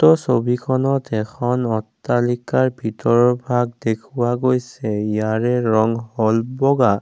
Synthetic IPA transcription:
tɔsobikʰɔnɔtɛkʰɔnɔtːalikaɹbʱitɔɹɔbʱaɡ̚dekʰuwaɡojsɛjaɹɛɹɔŋhɔlbɔɡa

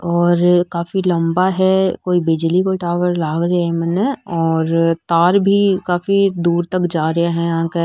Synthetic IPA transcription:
ɔːɾkaːfilɐ̃mbaɦɛkoːibɪd͡ʒlikoʈaːʋəɾlaːɡɾaɦɛmɛːneɔːɾt̪aːɾbʱikaːfid̪uːɾt̪ɐkd͡ʒaːɾəaɦɛ̃jɦãke

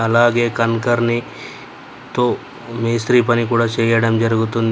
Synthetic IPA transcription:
ɐlaːɡekɐnkɐɾni | t̪o | meːsɾipɐnikuːɽat͡ʃeɡeːɽɐmd͡ʒɐɾɡut̪un

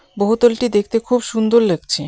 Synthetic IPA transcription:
boɦot̪olʈid̪ekʰt̪ekʰubʃund̪oɾlek̚t͡ɕʰe

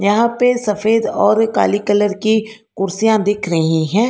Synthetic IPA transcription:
jɐɦãpesɐfeːd̪ɔːɾka̰ːlikələɾki | kʊɾsijãd̪ɪkʰɾɐɦĩɦɛ̃ː

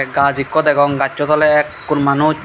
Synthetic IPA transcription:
ɡad͡ʑikːɔt̪ɛkɔŋɡatːt͡ʃɔt̪ʰɔleɛkːunmanu

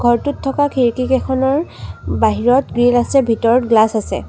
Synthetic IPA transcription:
ɡʱɔɹtutʰːɔkakʰiɹkikɛkʰɔnɔɹbaɦiɹɔtɡɹilasɛbʱitɔɹtɡlasasɛ̰

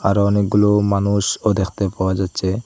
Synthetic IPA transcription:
aɾɔnek̚ɡulomanuʃod̪ekʰt̪epaoad͡ʒatːɕʰe

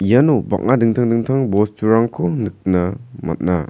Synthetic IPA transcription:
ijanuba̰k̚nadɯŋtʰaŋdɯŋtʰaŋbɔstuɾaŋkʰɔnɯk̚nama̰t̚na̰

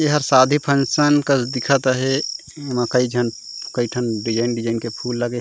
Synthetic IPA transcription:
eɦəɾsad̪ʱipʰənsənkəsd̪ikʰət̪əɦe | makəid͡ʒʱən | kəiʈʰənɖid͡ʒaɪnɖid͡ʒaɪnkepʰulːəɡe

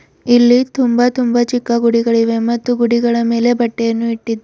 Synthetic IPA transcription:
ilːit̪umbɐt̪umbɐt͡ʃikːɐɡuɽiɡɐɭiʋe̞mɐt̪ːuɡuɽiɡɐɭɐme̞ːle̞bɐʈːejɐnːuiʈːid̪ːu

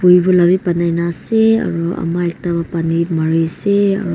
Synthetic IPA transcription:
pujbɔlabipanajnasea̰ɾua̰maek̚taβapanimaɾisea̰ɾu

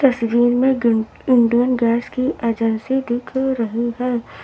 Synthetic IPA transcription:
ɐsʋiːɾmẽ | ɪ̃ɳɖijənɡɛːskiʔeːd͡ʒənsid̪ɪkʰɾɐɦiɦɛː

